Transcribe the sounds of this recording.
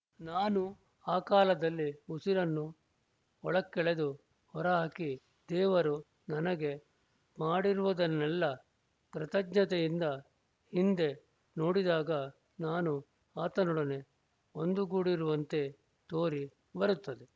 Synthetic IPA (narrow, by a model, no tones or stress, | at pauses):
naːnu | aːkaːlɐd̪ɐlːiusiɾɐnːu | ɔɭɐkːɛɭed̪u | hɔɾɐɦaːki | d̪ɛːʋɐɾu | nɐnɐɡe̞ | maːɽiɾuʋud̪ɐnːɛlːɐ | kɾɐt̪ɐɡnɐt̪ejind̪ɐ | hind̪e̞ | no̞ːɽid̪aːɡɐ | naːnu | aːt̪ɐnuɽɐne̞ | ond̪uɡuːɽiɾuʋɐnt̪e̞ | t̪o̞ːɾi | bɐɾut̪ːɐd̪e